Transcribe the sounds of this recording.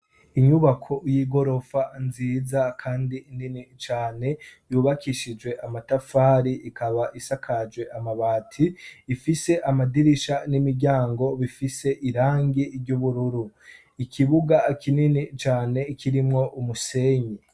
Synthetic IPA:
iɲuβakʰo̞jiːɡo̞ɾo̞fanziːzakʰaːndiːninit͡ʃaːne̞juːβakʰiʃid͡ʒwe̞ʔamatafaːɾiʔikʰaβaʔisakʰad͡ʒɡwe̞ʔamaβaːtʰiːfise̞ʔamadiɾiʃanimiɾɟaːŋɡo̞βifise̞ʔiɾaːŋɡiɾɟuβuɾuɾu | ikʰiβuɡakʰininit͡ʃaːne̞kiɾimŋo̞ʔumuse̞ːɲi

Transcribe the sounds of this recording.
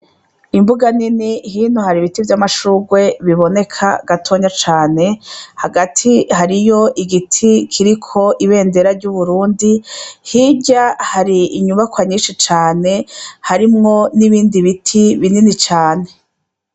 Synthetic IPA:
imbuɡaninihiːnohaɾiβitivjamaʃuːɡwe̞βiβo̞ne̞kʰa̰ɡatʰo̞ɲat͡ʃaːne̞haɡatʰihaɾijo̞ʔiɡitʰikʰiɾikʰo̞ʔiβe̞ːnde̞ɾaɾɟuβuɾuːndihiɟahaɾiːɲuβakwaɲiːnʃit͡ʃaːne̞haɾimŋo̞niβiːndiβitʰiβininit͡ʃaːne̞

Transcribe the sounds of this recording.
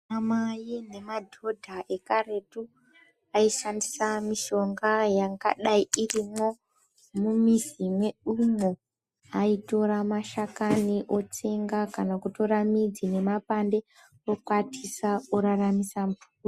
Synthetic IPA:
amajine̞madʱo̞dʱaʔe̞kare̞tu | aiʃandisamiʃo̞ŋɡajaŋɡaɗaiirimo̞ | mumizimwe̞ɗumo | aito̞ɾamaʃakaniʔo̞t͡se̞ŋɡakanakuto̞ɾamid͡zine̞mapande̞ | rokwatʰisaoɾaramisampu

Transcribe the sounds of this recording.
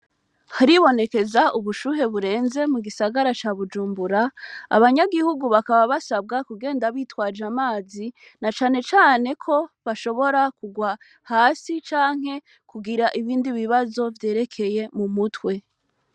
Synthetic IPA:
haɾiβo̞ne̞ke̞zaʔuβuʃuːɦe̞βuɾe̞ːnze̞muɡisaɡaɾat͡ʃaːβud͡ʒuːmbuɾa̰ːβaɲaɡihuɡuβakaβaβasab̚ɡakuɡeːndaβiːtwaːd͡ʒamaːzi | nat͡ʃaːne̞t͡ʃaːne̞kʰo̞βaʃo̞βo̞ɾakuɡwa | haːsit͡ʃaːŋ̥he̞ | kuɡiɾaʔiβiːndiβiβazo̞vje̞ːɾe̞kʰe̞je̞mumutwe̞

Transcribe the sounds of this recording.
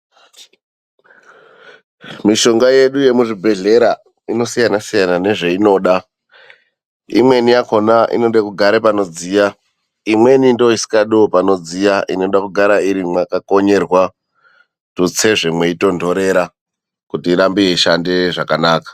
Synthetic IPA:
miʃo̞ŋɡaje̞ɗuje̞muʐibʱe̞ɮe̞ɾa | ino̞sijanasijanane̞ʐe̞ino̞ːɗa | ḭmwe̞nijako̞naʔḭno̞ɗekuɡʱaɾepano̞d͡zija | imwe̞nindoisi̥kaɗuopano̞d͡zijaʔino̞ɗakuɡʱaɾaiɾimwakako̞ɲe̞rwa | tut͡se̞ʐe̞mwe̞ito̞ndo̞ɾe̞ɾa | kutiːɾambijeiʃande̞ʐakanaːkḁ

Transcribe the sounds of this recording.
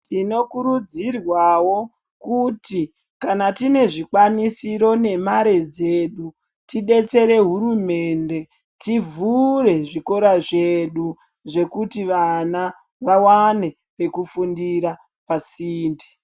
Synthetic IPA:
tino̞kuɾud͡zirwawo̞ | kuti | kanatine̞ʐikwanisiɾo̞ne̞maɾe̞d͡ze̞ɗu | tiɗe̞t͡se̞ɾe̞ɦuɾume̞nde̞ | tivuɾe̞ʐiko̞ɾaʐeɗu | ʐe̞kutiʋana | ʋawane̞ | pe̞kufundiɾa | pasiːnde

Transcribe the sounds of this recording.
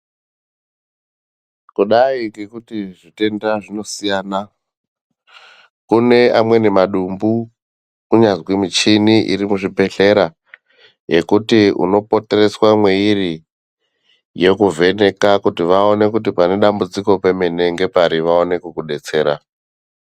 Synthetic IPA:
kuɗaiŋɡekutiʐite̞ndaʐino̞sijaːna | kune̞amwe̞nemaɗumbu | kuɲazwimit͡ʃiniʔḭɾimuʐibʱe̞ɬe̞ɾa | je̞kutiṵno̞po̞te̞re̞swamweiri | je̞kuvʱe̞ne̞kakutiʋao̞ne̞kut̬ipane̞ɗambud͡ziko̞pe̞me̞ne̞ŋɡe̞paɾiʋao̞ne̞kukuɗe̞t͡se̞ːɾa̰

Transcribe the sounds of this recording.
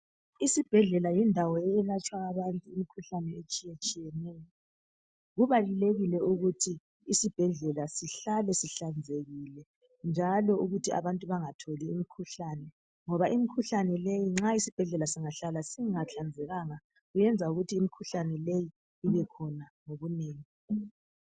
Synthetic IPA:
isib̥ʱɛɮɛlajindʱawɔɛɛlat͡ʃʼwaːβantʼuimikʰuɬanɛet͡ʃʼijet͡ʃʼijɛnɛjɔ | ɣuβaluleɣilɛuɣutʰiː | sib̥ʱɛɮɛlasiɬalɛsiɬand͡zʱeɣilɛ | nd͡ʒʱalɔuɣutʰiʔa̰βantʼuβaŋatʰoliːmikʰuɬaːnɛ | ŋɔβaʔimikʰuɬanɛlejiŋ͡ǁaisib̥ʱɛɮɛlasiŋaɬalasiŋat͡ɬʰand͡zʱɛɣaŋa | ɣujɛnd͡zʱauɣutʰiːmikʰuɬanɛleji | iβɛkʰɔnaŋoɣuneːŋi

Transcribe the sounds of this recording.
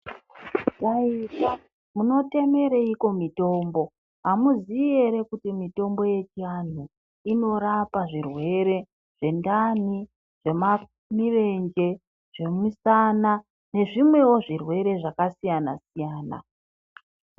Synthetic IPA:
kaika | muno̞te̞me̞ɾeiko̞mito̞ːmbo̞ | ɦamuzie̞ɾe̞kutimito̞mbo̞je̞t͡ʃian̤u | ino̞ɾapaʐirwe̞ɾe̞ | ʐ̥e̞ndani | ʐ̥e̞ma | mire̞nd͡ʒe̞ | ʐ̥e̞misana | ne̞ʐimwe̞wo̞ʐirwe̞ɾe̞ʐakasijana̰sijaːna̰

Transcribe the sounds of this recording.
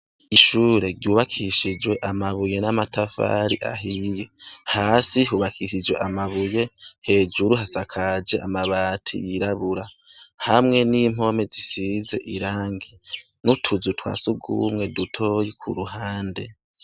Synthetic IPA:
iʃuːɾe̞ɾɟuːβakʰiʃid͡ʒwe̞ʔamaβuje̞namatʰafa̰ːɾiʔa̰ɦijehaːsiɦuβakʰiʃid͡ʒwe̞̰ʔamaβuje̞he̞ːd͡ʒuɾuɦasakʰad͡ʒe̞ʔa̰maβaːtʰḭjiɾaβuɾa | hamŋe̞niːm̥o̞me̞zisize̞̰ʔiɾaːŋɡi | nutʰuzutʰwa̰ːsuɡṵːmŋe̞dutʰo̞jikʰṵɾuɦaːnde̞

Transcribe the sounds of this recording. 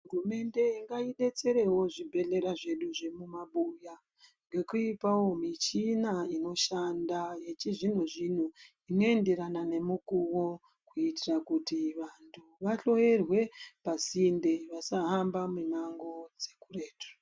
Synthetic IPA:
ɦɦurume̞nde̞iŋɡaiɗe̞t͡se̞ɾe̞wo̞ʐibʱe̞ɮe̞ɾaʐe̞ɗuʐe̞mumaɓuja | ŋɡe̞kuipawo̞mit͡ʃinaino̞ʃandajet͡ʃiʐin̤uʐin̤u | ino̞e̞nde̞ɾanane̞mukuwo | kuitirakutiʋantʰuʋaɬo̞jerwe̞pasinde̞ʋasaɦambamenaŋɡo̞d͡ze̞kure̞ːto̥

